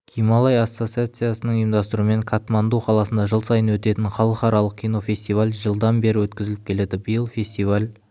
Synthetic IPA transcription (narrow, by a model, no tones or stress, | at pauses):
kʲʰijmalˠɑjasːo̞t̪siat̪sɨjasənəɴəjəmd̪ɑst̪əɾume̞ŋkʰat̪mand̪uqʰɑlˠɑsənd̪ɑʒəlˠsɑjənwɵt̪e̞t̪ɪnχɑlˠəqɑɾɑlˠəq̚kʰʲijno̞fʲe̞sʲt̪ijvalʲʒəlˠd̪ɑnbe̞ɾɪwɵt̪̚kʲɪzɪlɪp̚kʲʰe̞le̞d̪ɪbəjəlˠfʲe̞sʲt̪ijvalʲ